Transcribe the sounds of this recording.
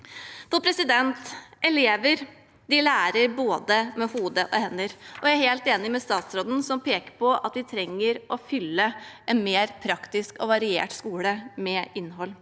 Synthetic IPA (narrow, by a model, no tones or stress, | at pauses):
p̪ʰɔpʰɾɛsɪd̪ɛnt̪ʔɛleːʋəɾ | d̪ɪlæːɾəɾboːd̪əmɛhuːd̪əʔɔhɛnːəɾʔɔjææɾheːlt̪eːnɪmɛst̪ɑːt̪sɾoːd̪n̩sɔmpʰeːkə̥pɔʔɑ̰t̪ʋɪt̪ʰɾɛŋːəɾʔɔfʏlːəʔɛnmeːɾpʰɾɑkt̪ɪskɔʋɑɾɪḛːʈskuːləmɛɪnːɦɔlː